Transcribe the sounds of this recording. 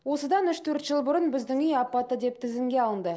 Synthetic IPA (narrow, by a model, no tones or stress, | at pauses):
wo̞səd̪ɑnʏʃt̪ʰɵɾt̪ʒ̥əlˠbʊɾənbɪzd̪ɪŋʏjɑpːɑt̪əd̪e̞p̚t̪ʰɪzɪŋɡʲe̞ɑlˠənd̪ə